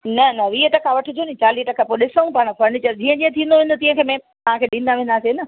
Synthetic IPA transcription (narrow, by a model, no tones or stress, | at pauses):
nɐnɐʋiːɦəʈɐkʰaʋɐʈʰʊ̆d͡ʑoːnĩt͡ɕaːliːɦʈɐkʰapoɗɪsəũpaːɽ̃kʰɐɾnit͡ɕɐɾd͡ʑĩːə̃d͡ʑĩːə̃t̪ʰĩːnd̪oʋẽːnd̪ot̪ĩːə̃kʰeːmẽ | ɐʋ̤ãkʰeːɗĩːn̆d̪aʋẽːn̆d̪aːsenɐ